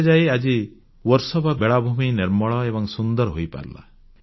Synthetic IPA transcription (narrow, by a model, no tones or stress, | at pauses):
d͡ʒajad͡ʒi | wɔɾsɔbabeɭabʱuminiɾmɔɭɔebɔŋsund̪ɔɾɦojpa̰ɾla̰